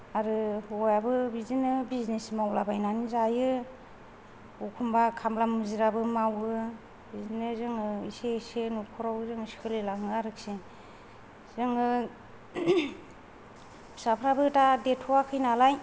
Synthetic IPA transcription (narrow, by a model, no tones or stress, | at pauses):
aɾɯɔjabɯbizinɯbiznesmawlabajnanizajɯ | ukʰumbakʰamlamɯziɾabɯmawɯ | bizinɯzɯŋɯisesenukʰɔɾawzɯŋsi̥kʰɯlelaŋɯaɾɯk̚se | z̥ɯŋɯ | sapʰɾabɯtadetʰuwakʰɯjnalaj